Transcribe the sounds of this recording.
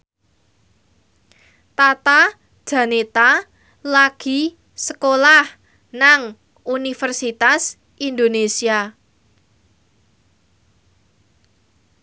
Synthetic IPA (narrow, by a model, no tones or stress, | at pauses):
t̪at̪a | d̥ʒ̥ä̤net̪a | laɡ̥i̤ | səkolah | naŋ | unifərsit̪as | ʔind̪onesia